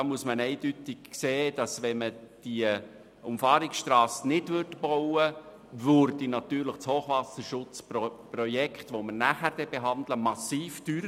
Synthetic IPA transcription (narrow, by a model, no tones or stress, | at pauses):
ɑmuəsmənɛɪdytɪkkseːd̥ɑsʋɛməd̥iə | ʊmfɑːɾiksʃtrɑːsnɪdʋʏrdb̥ɔwə | vøɾdinɑtyːɾləχt͡shoːχʋɑsəɾʃʊt͡spprɔjɛkχtʋomənæχæɾd̥ɛbeɦɑndləmɑsiːfd̥yɾ